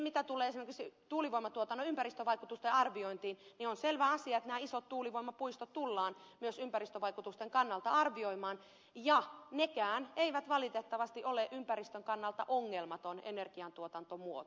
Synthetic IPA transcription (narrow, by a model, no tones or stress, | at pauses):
mit̪æt̪uleːesimerkiksit̪uːliʋoimɑt̪uot̪ɑnːoympærist̪øʋɑikut̪ust̪eɑrʋioint̪iːnnionselʋæɑsiɑet̪næːisot̪t̪uːliʋoimɑpuist̪ot̪t̪ulːɑːnmyøsympærist̪øʋɑikut̪ust̪eŋkɑnːɑlt̪ɑɑrʋioimɑːn | jɑnekæːneiʋæt̪ʋɑlit̪et̪ːɑʋɑst̪iʔoleʔympærist̪øŋkɑnːɑlt̪ɑʔoŋːelmɑt̪onḛnerɡiɑnt̪uot̪ɑnt̪omuot̪